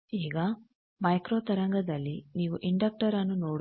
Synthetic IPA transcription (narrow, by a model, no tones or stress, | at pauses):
iːɡɐ | mɐjkɾoːt̪ɐɾɐŋɡɐd̪ɐlːiniːʋuʔiɳɖɐk̚ʈɐɾɐnːunoːɽ